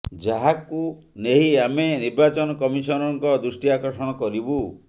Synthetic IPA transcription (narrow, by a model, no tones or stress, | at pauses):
d͡ʒaɦaku | neɦiameniɾbat͡ʃɔnɔkɔmisɔnɔŋkɔd̪ɾusʈiakɔɾsɔɽ̃ɔkɔɾibu